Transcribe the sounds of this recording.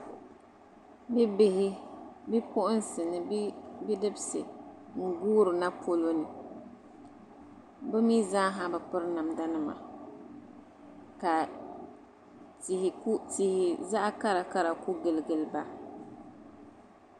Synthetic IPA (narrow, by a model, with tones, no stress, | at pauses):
bɪ˦bɪ˦hɪ˦bɪ˦pʊ˦ʔʊ˦n˦sɪ˨nɨ˨bbɪ˦dɪ˦bɪ˦sɨ̰˨ŋ̩˨ɡuː˦ɾɨ˨na˦pʰo˦lo˦nɨ˨ | bʊ˦mi˦zaː˦ɦa˦ba˨pɨ˦ɾna˨mda˦nɨ˦ma̰˨ | ka˨ | ti˨hɪ˨˦tɪ˨hɪ˨za˦ʔa˦ka˦ɾa˨ka˦ɾa˨kʊ˦ɡɪ˨lɡɪ˨lba˦